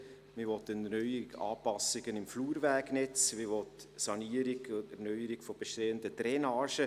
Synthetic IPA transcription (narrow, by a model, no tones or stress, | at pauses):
mɪʋɔtːənnœjɡɑ̰ːpɑsɪɡənɪmfluːɾvæːɡnɛt͡smɪʋɔt̪ | sɑniəɾɪɡʊtɛɾnœʏəɾɪɡ̥fɔb̥ɛʃteːəndətɾɛnɑːʃə